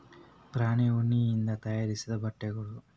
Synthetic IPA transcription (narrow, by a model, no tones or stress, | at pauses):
pɾaːniuɳːiːnd̪ɐt̪ɐjaːɾisid̪ɐbɐʈːeɡuɽu